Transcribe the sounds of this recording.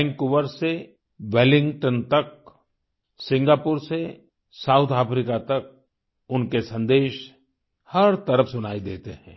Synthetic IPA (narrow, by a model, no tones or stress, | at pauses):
ŋkʊʋəɾse | ʋɛːlɪ̃ŋɡʈənt̪ɐk̚ | sɪ̃ŋɡaːpʊɾse | saːʊt̪ʰaːpɾiːkat̪ɐk̚ | ʊnkesɐ̃nd̪eːʃ | hɐɾt̪ɐɾəfsʊnaːid̪ḛːt̪eɦɛ̃ː